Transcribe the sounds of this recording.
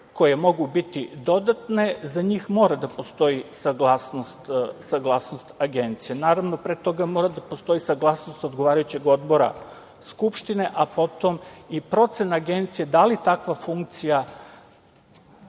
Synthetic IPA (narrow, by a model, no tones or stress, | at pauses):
ko̞jemo̞ɡubit̪id̪o̞d̪at̪ne̞zaɲixmo̞ːɾad̪apo̞st̪o̞isaɡlˠasnost̪saɡlˠasnost̪aɡe̞nt̪sijenaːɾaʋnopɾet̪o̞ɡamo̞ɾad̪apost̪o̞isaɡlˠasnost̪od̪ɡoʋaːɾajut͡ɕe̞ɡod̪bo̞ɾa̰ | skupʃt̪ine̞ʔapo̞t̪o̞mipɾo̞t̪se̞naɡe̞nt̪sijed̪alit̪akʋafuŋk̚t̪sija